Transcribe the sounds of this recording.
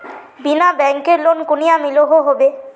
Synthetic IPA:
binabɛŋkeɾlonkunijamiloɦoɦobe

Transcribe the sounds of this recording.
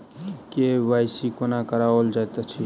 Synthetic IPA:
keʋajsikonakəɾaold͡ʒat̪et͡ʃʰi

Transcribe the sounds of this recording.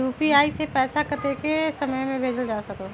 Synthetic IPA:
juːpiaːisepɛːsakət̪ekesɐməjmẽbʱeːd͡ʒəld͡ʒaːsɐkoː

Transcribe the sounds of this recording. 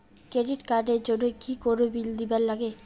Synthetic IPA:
kɾeɖiʈkaɾɖeɾd͡ʑonokikoɾobild̪ibaɾlaɡe

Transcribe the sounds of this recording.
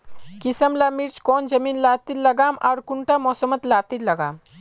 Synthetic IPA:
kisəmlaːmiɾt͡ʃkoːnd͡ʒɐmiːnlaːt̪illɐɡaːmaːɾkuɳʈamɔːsəmət̪laːt̪illɐɡa̰ːm

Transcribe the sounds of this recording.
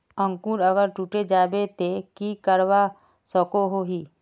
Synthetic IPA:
ə̃ŋkuːɾəɡəɾʈuːʈed͡ʒaːbet̪ekikəɾwa | sɔkoɦoɦiː

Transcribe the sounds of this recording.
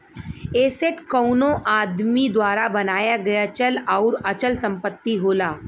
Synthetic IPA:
eːseʈkɔʊnõʔaːd̪mid̪waːɾabɐnaːjaɡɐjat͡ʃəlɔʊɾɐt͡ʃəlsɐ̃mpət̪ːiɦoːlaː

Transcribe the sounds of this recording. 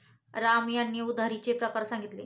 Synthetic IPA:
ɾamjanːjəud̪ʱaɾit͡ɕepɾəkaɾsaŋɡit̪le

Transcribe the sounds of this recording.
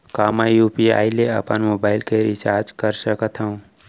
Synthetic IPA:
kaːmajjuːpia̰ːileə̰pənmobaɪlkeɾit͡ʃaɾd͡ʒkəɾsəkət̪ɦəũ

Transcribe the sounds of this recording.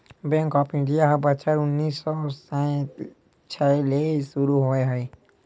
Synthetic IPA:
bɛ̃ŋkɔːpʰɪ̃ɳɖijaɦɐbət͡ʃʰəɾʊnːiːsɔːsãt̪ | t͡ʃʰalesuɾuɦoeɦɛe

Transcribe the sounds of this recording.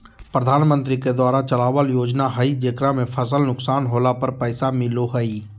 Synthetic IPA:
pɾəd̪ʱaːnmə̃nt̪ɾiked̪waːɾat͡ʃɐlaːwəljoːd͡ʒnaɦaid͡ʒeːkɾamẽpʰəsəlnʊksaːnɦoːlapəɾpɛːsamɪloɦəi

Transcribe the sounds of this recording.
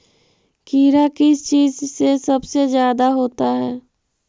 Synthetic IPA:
kiːɾakɪst͡ʃiːzsesɐbsezjaːd̪aɦoːt̪aɦɛː

